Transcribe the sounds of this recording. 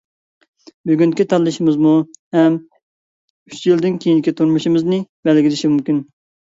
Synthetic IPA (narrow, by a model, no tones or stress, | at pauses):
byɡʲynkʲit̪ʰɑlˠːɨʃɪmɨzmuhɛm | yt͡ʃjild̪ɪnkʲʰejinkʲit̪ʰuɾmuʃimɨznɨbɛlɡʲilɪʃimumkʲin